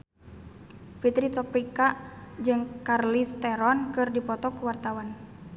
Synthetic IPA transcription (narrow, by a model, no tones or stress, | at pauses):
fit̪ɾit̪ɔpɾikad͡ʒɨŋkarlist̪ɛɾɔnkɨrdipɔt̪ɔkuwart̪awan